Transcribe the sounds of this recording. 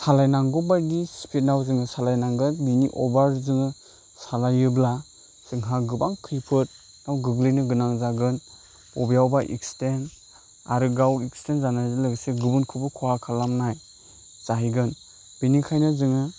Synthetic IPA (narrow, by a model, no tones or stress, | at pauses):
salajnaŋɡɔbaɾdisi̥pʰit̚nawzɯŋɯsalajnaŋɡɯnbiniʔɔbaɾzɯŋɯ | salajɯbla | sɯŋɦaɡɯbaŋkʰɯjpʰɯt̚ | nawɡɯɡlinɯɡɯnaŋzaɡɯn | pɔbijawbaʔḭksten | a̰ɾɯɡawikstenzanajzɯlɯɡseɡɯbɯnkʰɯbɯkʰɔhakʰalamnaj | z̥aɦiɡɯn | b̥inikʰajnɯzɯŋɯ